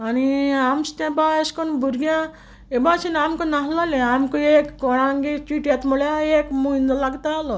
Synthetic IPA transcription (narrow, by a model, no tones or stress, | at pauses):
añiamst̪jãbaeskonbʱuɾɡjã | ebasinamkonaɦlaleamkoekːɔɽ̃aŋɡet͡ʃiʈjat̪muɭjaekmuind̪əlaɡt̪aalɔ